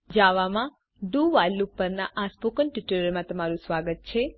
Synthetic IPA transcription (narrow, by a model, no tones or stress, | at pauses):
d͡ʒaʋamã | ɖuʋalupəɾnaʔaspokənʈiʈəɾəɾmãt̪əmaɾũsʋaɡət̪̚t͡ʃʰe